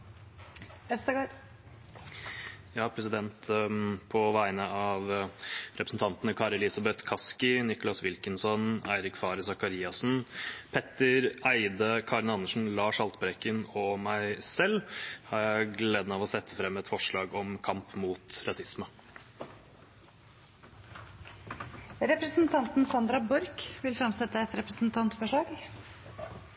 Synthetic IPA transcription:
ɛst̪əɡ | jɑːpʰɾɛsɪd̪ɛnt̪pʰɔʋæɪənəɑʋɾɛpɾəsn̩t̪ʰɑnt̪ənəkʰɑːɾɛlɪsɑbɛt̪kʰɑskɪnɪkʊlɑsʋɪlkənsɔnæɪɾɪkfɑːɾəsɑkɑɾiːɑsn̩pʰɛt̪ːəɾæɪd̪əkʰɑːɾənɑnːəʂɳ̩lɑːʂɑlt̪bɾɛkənɔmæɪsɛlhɑɾjæɪɡleːd̪ənɑːʋɔsɛt̪ʰːəfɾɛmːɛt̪fɔʂɭɑːɡɔmkʰɑmpmuːt̪ɾɑsɪsmə | ɾɛpɾəsn̩t̪ʰɑnt̪n̩sɑnd̪ɾɑbɔɾkʋɪlfɾɑmsɛt̪ːəɛt̪ɾɛpɾəsn̩t̪ʰɑnt̪fɔʂɭɑːɡ

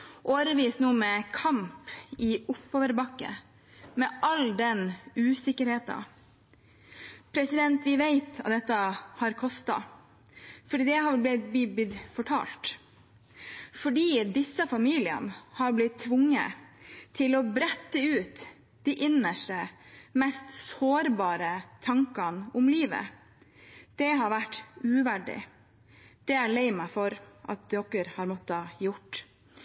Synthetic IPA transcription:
ʔoːɾəʋiːsnuːmɛkʰɑmpɪʊpːoːʋəɾbɑkːə̰ | mɛʔɑld̪ɛnʉːsɪkːəɾheːt̪ɑ̰ | pʰɾɛsɪd̪ɛnt̪ʋɪʋæɪt̪ɑt̪̚d̪ɛt̪ːəhɑɾkʰɔst̪ɑ̰ | fɔɖiːd̪ɛhɑʋlb̪lɪbɪbɪd̪fɔʈʰɑ̰ːlt̪ | fɔɖiːd̪ɪsːəfɑmiːlɪə̰nəhɑɾblɪt̪ʰːʋʊŋːə̰t̪ʰɪlɔbɾɛt̪ːəʉːt̪ | d̪̥iʔɪnəʂʈəmɛst̪soːɾbɑːɾət̪ʰɑŋkɑnʊmliːʋə̰ | d̪̥ɛɦɑɾʋæʈːʉːʋæɖɪ̰ | d̪̥ɛæɭɛɪmɑfɔɾʔɑ̰t̪̚d̪ɔkːəɾhɑɾmɔt̪ːəhɑjʊʈː

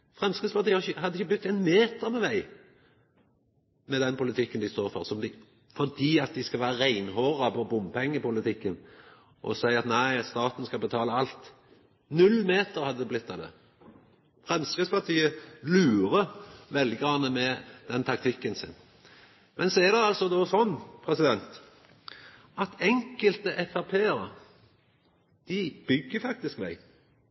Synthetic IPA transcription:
fɾɛmskɾɪd̪spɑʁt̪iːəhɑɾɪçəhɑd̪ːɪçːəblʉt̪ːɛɪnmeːt̪əɾmɛʋæɪ | mɛd̪ɛnpʊlɪt̪ʰɪkːənd̪ɪst̪oːɾfɔɾsɔmd̪ɪ | fɔʁd̪iːɑt̪̚d̪ɪskɑʋæːʁɾəʁæɪnhoːʁɑpɔbʊmpʰɛŋːəpʊlɪt̪ɪkːən | ʔɔ̰sæɪɑt̪næɪst̪ɑːt̪nskɑbət̪ʰɑːləɑlt̪ | nʉlmeːt̪əɾhɑd̪ːəd̪ɛblɪt̪ʰːɑːd̪ɛ̰ | fʁɛmskʁɪd̪spɑt̪ʰiːəlʉːɾəʋɛlɪɡʁɑnːəmɛd̪̥ɛnt̪ʰɑk̚t̪ʰɪkːənsɪn | mɛnsɔɛd̪ɛɑlsɔd̪ɔsɔnːpʰʁɛsɪd̪ɛnt̪ | ɑt̪ɛŋkəlt̪əʔɛfæʁpʰeːəɾə | d̪̥ɪb̥ʏɡːəfɑk̚t̪ɪskmæ̰ɪ

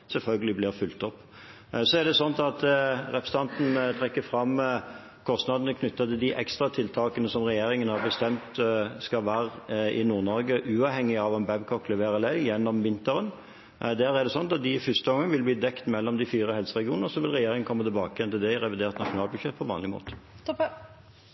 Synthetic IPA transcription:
sɛlfœlɡəlɪblɪʁfʉlt̪ɔpː | sɔɛʁd̪ɛsɔnt̪ɑt̪ʁɛpəst̪ɑnt̪n̩t̪ʰɾɛkːəfɾɑmː | kʰɔst̪nɑd̪ənəkʰnʏt̪ːɑt̪ɪld̪ɪʔɛ̰kst̪ʁɑt̪ʰɪlt̪ʰɑːkənəsɔmʁɛjeːɾɪŋənhɑʁbəst̪ɛmt̪skɑlʋæːɾʔɪnuːʁnɔɾɡəʔʉːɑʋhɛŋːɪɑʋɛnbɛbkʰɔklɛʋeːʁəlæɪjɛnːɔmʋɪnt̪əɾən | d̪æɾɛæʁd̪ɛsɔnt̪ɑt̪̚d̪ɪfʏst̪əɡɔŋːɑŋʋɪlbliːd̪ɛkt̪mɛlːɔmd̪ɪfiːɾəhɛlsəʁɛɡɪuːnəɾsɔʋɪlʁɛjeːɾɪŋənkʰɔmːət̪ɪlbɑːkəjɛnt̪ɪld̪ɛʁɛʋɪd̪eːʁt̪nɑʂʊnɑːlbʉd̪ʂɛt̪̚ːpʰɔʋɑːnlɪmo̰ːt̪ə̥

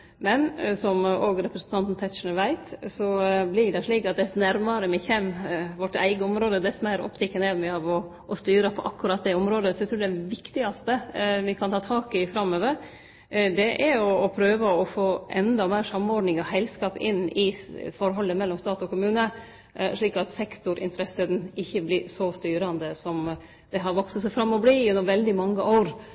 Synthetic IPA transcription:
mɛnsɔmoːɡɾɛpɾəsn̩t̪ɑnt̪n̩t̪ʰɛt̪ʃɳəʋæɪt̪sɔblɪɖɛʂɭiːkɑt̪̚d̪ɛsnæɾmɑɾəmɪçɛmːʋɔʈːæ̰ɪɡəɔmɾoːd̪əd̪ɛsmæɾɔ̰pt̪ʰɛkːənæɾmɛɑʋɔ | ɔst̪yːɾəpʰɔʔɑ̰kːʉɾɑt̪̚ːd̪ɛɔmɾoːd̪əsɔɛt̪ʰɾʉːɖɛʋɪkt̪ɪɡɑst̪əʋɪkʰɑnt̪ʰɑːt̪ʰɑːkɪfɾɑmːøːʋəɾ | d̪ɛʔæɾɔːpʰɾøːʋəɔfoːʔɛnd̪ɑmæɪɾʂɑmːɔɖnɪŋɔhæɪlskɑːpɪ̰nːɪfɔɾɦɔlːəmɛlːɔmst̪ɑːt̪ɔkʊmʉːnə | ʂɭiːkɑt̪sɛkt̪ʊɾʔɪ̰nt̪əɾɛsəd̪nɪçːəblɪɾsɔst̪yːɾɑnd̪əsɔm | d̪̥ɛɦɑɾʋɔksəsæɪfɾɑmːɔbliːʉnːɔmʋɛld̪ɪmɑŋːəʔoːɾ

